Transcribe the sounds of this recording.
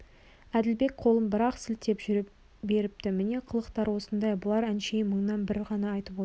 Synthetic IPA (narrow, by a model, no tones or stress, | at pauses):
æd̪ɪlbe̞k̚qʰo̞lˠəmbəɾɑqsɪlt̪ːe̞pʒ | be̞ɾɪp̚t̪ɪmɪne̞qʰəlˠəqt̪ɑɾwo̞sənd̪ɑjbʊlˠɑɾænʃeməɴnɑnbɪɾʁɑnɑːjt̪əpo